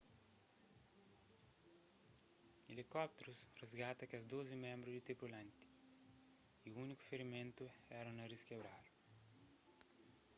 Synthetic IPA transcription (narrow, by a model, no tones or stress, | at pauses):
elikɔp̚t̪eɾusrezɡat̪ɐkiɐzd̪ozimẽmbɾuzd̪it̪ɾipulɐ̃nt̪i̥ | iuuniku̥feɾimẽnt̪uɛɾɐ̃w̃nɐriskebɾalu